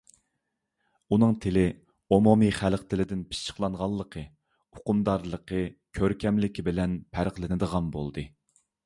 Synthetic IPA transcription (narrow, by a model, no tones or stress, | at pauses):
unɨŋt̪ʰɪlɪ | omomiχælqt̪ʰɪlɪd̪ɪnpʰɪ̥ʃt͡ʃʰːə̥χlˠɑɴʁɑlˠːəqʰə | ʊ̥qumd̪ɑɾlˠəqʰəkʲʰøɾkʲʰɛmlɪkʲibɪlɛnpʰæɾqlˠɪnɨd̪əʁɑnbo̰lˠd̪ɨ